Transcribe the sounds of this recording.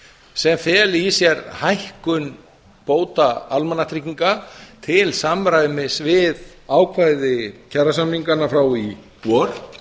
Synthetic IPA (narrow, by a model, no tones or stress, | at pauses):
sɛmθɛːlisjɛɾhajhkʏn | poːwt̪aalmanːat̪ʰɾikiŋkat̪ʰɪlsamɾajvʏmɪsvɪðaːwkʰvajðɪcʰɛrːasamniŋkanafɾaːwipɔɾ̥